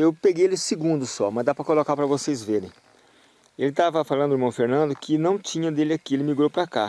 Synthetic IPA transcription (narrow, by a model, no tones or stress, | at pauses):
ewpeɡejelɪsɪɡũnd̪ʊsɔmɐzd̪apɾɐkolokaɾpɾɐvosejzveɾẽj̃ | elɪt̪avɐfalˠɐ̃nd̪ʊiɾmɐ̃w̃feɾnɐ̃nd̪ʊkʰɪnɐ̃w̃t͡ʃĩɲɐd̪elɪakielɪmiɡɾowpɾaka̰